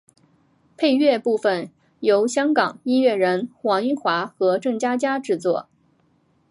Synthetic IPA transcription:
pʰe˥˧ɪɥɛ˥˧pu˥˩fə˨˩n | jo˧˥ʊɕjɑ˥ŋkɑ˨˩ŋi˥nɥɛ˥˩ɻə˧˥nxwɑ˧˥ŋi˥˩xwa˧˥xɤ˧˥ʈ͡ʂɤ˥˩ŋt͡ɕja˥t͡ɕja˥ʈ͡ʂɻ̩˥˧t͡swɔ˥˩

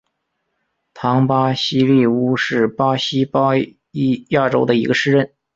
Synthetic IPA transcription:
t̪ʰɑ˧˥ŋpa˥ɕi˥li˥˩u˥ʂɻ̩˥˩pa˥ɕi˥pɑ˥ | i˥ja˥˩ʈ͡ʂo˥ʊd̪ə˧i˧˥ɡə˧ʂɻ̩˥˧ɻə˥˩n

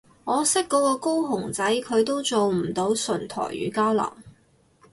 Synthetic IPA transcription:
ŋɔː˨˧sɪ˥kːɔː˨˧˥kɔː˧ko˥wɦʊ˨˩ŋt͡sɐ˨˥jkʰɵ˨˧ɥt̪o˥wt͡so˨wm̩˨˩t̪o˨˥wsɵ˨˩nt̪ʰɔ̰ː˨˩jɥy̰ː˨˧˥kaː˥wlɐ̰˨˩w

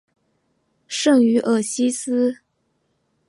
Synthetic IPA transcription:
ʂɤ˥˩ŋy˧˥ʔɤ˥˩ɕi˥sɹ̩˥

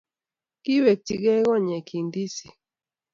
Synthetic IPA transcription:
ki˦we˨ti˨ɡɛ˦ɣɔ˦˨ɲɛ˨ki˨ndi˦si˨

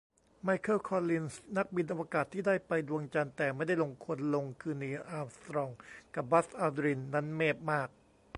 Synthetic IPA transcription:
ma˧jkʰɤ˥˩kʰɔː˧li˧nsna˦˥k̚bi˧nʔa˧waː˧kaː˨˩t̪ʰːiː˥˩daː˥˩jpa˧jdu˧əŋt͡ɕa˧nt̪ɛː˨˩ma˥˩jda˥˩jlo˧ŋkʰo˧nlo˧ŋkʰɯː˧niː˧ʔaː˧st̪ɾɔː˧˩ŋka˨˩p̚ba˦˥sʔaː˧d̪ɾi˧nːa˦˥nmeː˥˩p̚maː˥˩k̚

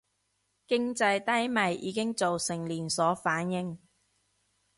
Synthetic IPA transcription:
kɪ˥ŋt͡sɐ˧jt̪ɐ˥jmɐ˨jʔiː˨˥kɪ˥ŋt͡so˨wsɪ˨˩ŋliː˨˩nsɔː˨˥faː˨˥njɪ˨˧ŋ

